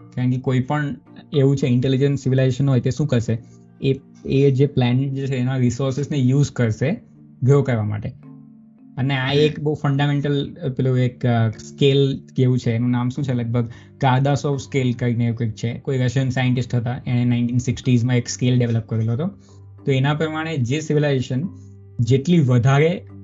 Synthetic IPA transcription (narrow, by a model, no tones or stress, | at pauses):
kaɳkekoipəɳ | eʋũt͡ʃʰeɪɳʈelid͡ʒənssɪʋilajzeʃənɦojt̪eʃũkəɾʃe | e | ed͡ʒeplæneʈ̚d͡ʒet͡ʃʰeːnãɾisoɾsɪsnejuːzkəɾʃe | ɡʱəɾokəɾʋama̰ʈe | əneaekbəufəɳɖameɳʈəlpeloekskelkeʋũt͡ʃʰeːnũnamʃũt͡ʃʰeləɡ̚bʱəɡ | kaɾd̪asɔfskelkəɾineeũkəut͡ʃʰekoiɾəʃənsajəɳʈɪsʈʰɦət̪aʔenenaɪ̃ɳʈinsɪksʈizmãekskelɖeʋeləp̚kəɾeloɦət̪o | t̪oenapɾəmaɽ̃ed͡ʒesɪʋilajzeʃən | d͡ʒeʈliʋəd̪ʱaɾe